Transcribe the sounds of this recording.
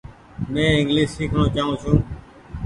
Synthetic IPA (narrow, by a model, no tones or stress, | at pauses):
mɛ̃ːɪ̃ŋɡliːʃːiːkʰnõːt͡ʃaːɦũːsũː